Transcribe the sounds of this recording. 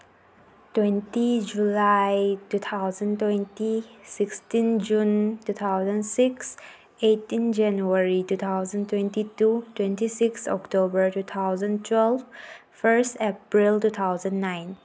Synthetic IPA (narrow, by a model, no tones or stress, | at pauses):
twɛ̃ntid͡ʒulajtut̪ʰaʊzə̃ntwɛ̃ntisɪkstĩnd͡ʒũntut̪ʰaʊzə̃nsɪks | etĩnd͡ʒɛ̃njuəɹitut̪ʰaʊzə̃ntwɛ̃ntitutwɛ̃ntisiksɔ̰ktobəɹtut̪ʰaʊzə̃ntʰwɛlv | fəɹstɛpɹiltut̪ʰaʊzə̃nːãɪ̃n